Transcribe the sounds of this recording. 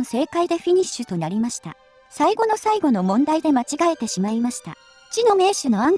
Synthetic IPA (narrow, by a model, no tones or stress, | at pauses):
se̞ːkaid̪e̞ɸʲiɲ̟iɕɨt̪o̞naɾʲimaɕi̥t̪a̰ | saiɡo̞no̞saiɡo̞no̞mõ̞nd̪aid̪e̞mat͡ɕiɡae̞t̪e̞ɕimaimaɕi̥t̪a̰ | ɯ̥t͡ɕino̞me̞ːɕɨno̞ãŋ